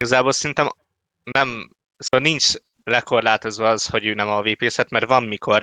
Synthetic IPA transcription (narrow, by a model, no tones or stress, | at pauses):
ɡɒzaːboːlsɛɾint̪ɛm | nɛm | soːvɒlnint͡ʃ | lɛko̞rlaːt̪o̞zʋɒɒzho̞ɟøːnɛmɒveːpeːsɛt̪mɛrt̪ʋɒmːikʰo̞r